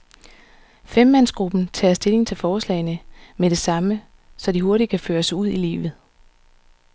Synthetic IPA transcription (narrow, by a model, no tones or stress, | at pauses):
femːænsɡ̥ʁub̥n̩t͡sʰɛ̰ːɐsd̥e̝le̝ŋt͡sʰe̝lfɒːslɛ̰ːɪnəmeɾ̥e̝sɑ̈mə | sɒ̽d̥iɦo̝ɐɾid̥̚kʰæføːɐsuð̞̰ˠilḭːʋð̞̩ˠ